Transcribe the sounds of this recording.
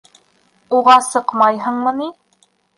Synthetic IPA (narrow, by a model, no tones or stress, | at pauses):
oʁɑsəqmɑjɦəŋmənɪ